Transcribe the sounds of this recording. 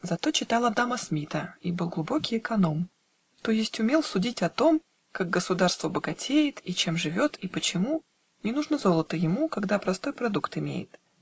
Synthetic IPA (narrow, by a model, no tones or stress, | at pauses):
zɐt̪o̞t͡ɕɪt̪alˠɐd̪aməsmʲit̪əibɨlˠɡlˠʊbo̞kʲɪjɪkɐno̞m | t̪o̞jɪsʲtʲʊmʲe̞lˠsʊdʲitʲɐt̪o̞m | kaɡ̚ɡəsʊd̪arst̪vəbəɡɐtʲejɪt̪it͡ɕe̞mʐɨvʲo̞t̪ipət͡ɕɪmu | nʲɪnuʐnəzo̞lˠət̪əjɪmukɐɡd̪apɾɐst̪o̞jpɾɐd̪ukt̪ɪmʲḛjɪ̰t̪